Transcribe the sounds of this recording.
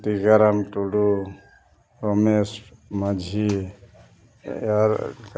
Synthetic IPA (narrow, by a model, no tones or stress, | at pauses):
t̪iɡaɾamtuɽu | ɾɔmesmad͡ʒʱi | aɾk